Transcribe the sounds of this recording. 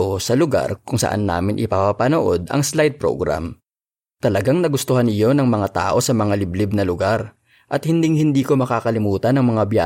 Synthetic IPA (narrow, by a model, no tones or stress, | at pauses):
osɐlʊɡa̰ɾkʊŋsɐ̰ʔa̰nːa̰ːmɪnʔɪpapapɐnoʔo̞d̪ɐ̰ŋslajd̪̚pɾo̰ɡɾa̰m | t̪ɐlɐɡaŋnɐɡʊst̪ohanɪjo̞nɐŋmɐŋat̪a̰ːʔo̞sɐmɐŋalɪblɪb̚nɐlʊɡaɾ | ʔɐt̪̚hɪnd̪ɪŋhɪnd̪iːko̞mɐkaːkɐlɪmuːt̪ɐnɐŋmɐŋabja̰ː